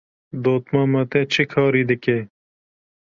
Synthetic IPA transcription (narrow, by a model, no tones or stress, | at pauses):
d̪oːt̪mamɐt̪et͡ʃʰikʰɑːɾiːd̪əkeː